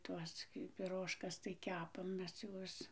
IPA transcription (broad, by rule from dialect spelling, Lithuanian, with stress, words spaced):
ˈtuɔs ɡʲɪ pʲɪˈroːʃkɐs tɐɪ ˈkʲæːpɐm ˈmʲɛs ˈjuɔs